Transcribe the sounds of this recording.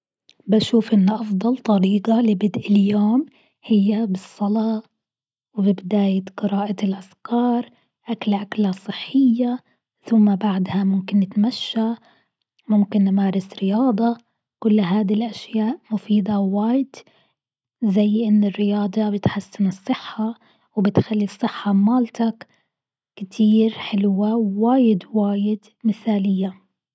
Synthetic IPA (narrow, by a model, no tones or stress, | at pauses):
baʃuːfʔɪnːʔɑfd̪ˤɑlt̪ˤɑɾiːqalɪbɪd̪ʔɪljoːm | hɪjːabɨsˤːɑlɑː | wbɪbɪd̪aːjɪt̪qɨɾɑːʔaɪlʔafkɑːɾˤ | ʔaklʔaklasˤɨħːɪjːa | θʊmːabaʕd̪hamʊmkɪnːɪt̪maʃːa | mʊmkɪnːmaːɾˤɪsɾɪjɑːd̪ˤɑ | kʊlːɦaːd̪ilʔaʃjaːʔmʊfiːd̪ɑwaːjɪd̪̥ | zajːʔɪnːɪrːɪjɑːd̪ˤɑbɪt̪ħasːɪnɨsˤːɨħːa | wbɪt̪xalːisˤːɨħːɑmaːlt̪ak | kt̪ʰiːɾħɪlwawaːjɪd̪waːjɪd̪ | mɪθaːlɪjːa